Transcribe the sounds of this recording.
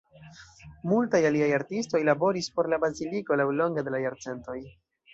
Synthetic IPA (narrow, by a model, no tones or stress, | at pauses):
multajaliajaɾtisto̞jlabo̞ɾispo̞ɾlabaziliko̞lawlo̞ŋɡede̞lajaɾt͡se̞nto̞j